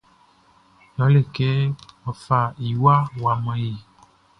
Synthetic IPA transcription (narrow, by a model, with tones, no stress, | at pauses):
jɔ˨˦le˦˨ke˦ɔ˨fa˨i˨wa˦wa˨mã˨ji˨